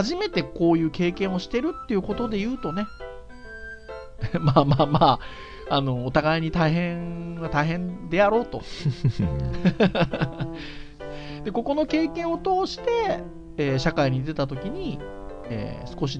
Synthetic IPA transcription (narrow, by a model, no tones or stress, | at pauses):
haʑime̞t̪e̞ko̞ːjɯ̟ːke̞ːkẽɰ̃o̞ɕi̥t̪e̞ɾɯ̟t̪ːe̞iɯ̟ko̞t̪o̞d̪e̞jɯ̟ːt̪o̞ne̞ | maːmaːmaː | ano̞ːt̪aɡaiɲ̟it̪aiɦẽ̞βat̪aiɦẽ̞nd̪e̞jaɾo̞ːt̪o | d̪e̞ko̞ko̞no̞ke̞ːkẽ̞ɰ̃o̞t̪o̞ːɕi̥t̪e̞ː | ɕakaiɲ̟id̪e̞t̪at̪o̞kʲiɲ̟i | ḛːsɨ̥ko̞ɕ̬i